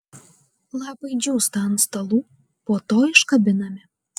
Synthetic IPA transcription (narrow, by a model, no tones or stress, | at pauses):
lˠɑpəjd͡ʒʲust̪ɑnst̪ɐlˠu | pot̪oɪʃkɐbʲɪnɐmʲɪ